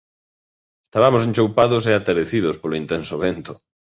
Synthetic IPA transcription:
est̪aβamos̬ent͡ʃowpaðʊs̬eat̪eɾeθiðʊspoloint̪ɛnsoβent̪ʊ̥

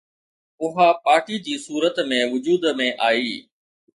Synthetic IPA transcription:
ʊɦapaːʈid͡ʑiːsuːɾət̪mẽːʋʊd͡ʑuːd̪mẽʔaːiː

